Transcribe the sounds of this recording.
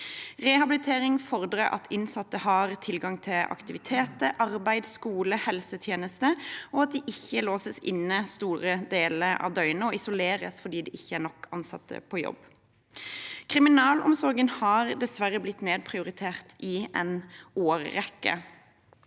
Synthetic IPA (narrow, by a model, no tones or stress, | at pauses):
ʁɛhɑbɪlɪt̪ʰeːʁɪŋfɔʁd̪ɾəʔɑ̰t̪ʰɪnsɑt̪ːəhɑʁt̪ʰɪlɡɑŋt̪ʰɪlʔɑ̰kt̪ɪʋɪt̪ʰeːt̪əʔɑɾbæɪd̪skuːləhɛlsət̪ʰjeːnəst̪əɔɑt̪̚d̪ɛːʔɪçːəloːsəsɪ̰nːəst̪uːɾəd̪eːləɾɑ̰ʋd̪œʏnəɔɪsʊleːɾə̰sfɔd̪iːd̪ɛːʔɪçːəænɔkʰːɑnsɑ̰t̪ːə̰pʰɔjɔ̰b | kʰʁɪmɪnɑːlɔ̰msɔɾɡənhɑʁd̪ɛsʋæʁəblɪt̪ːmeːd̪̚pʰʁɪʊɾɪt̪ʰeːʁt̪ʰɪʔɛnoːɾːɛkːə̰